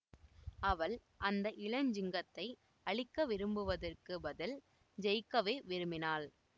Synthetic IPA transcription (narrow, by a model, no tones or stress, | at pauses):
ɐʋɐɭ | ʔɐnd̪ɐʔɪɭɐɲd͡ʒɪŋɡɐt̪ːɐɪ | ɐɭɪkːɐʋɪɾɯmbɯʋɐðɐrkɯbɐðɪl | d͡ʒɛjkːɐʋeːʋɪɾɯmɪnaːl